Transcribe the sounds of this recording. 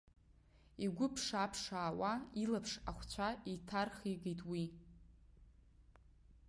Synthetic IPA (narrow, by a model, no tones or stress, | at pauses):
iɡʷʊpʰʂapʰʂaːwailapʰʂaχʷt͡ɕʷʰaitʰarχiɡejtʼwi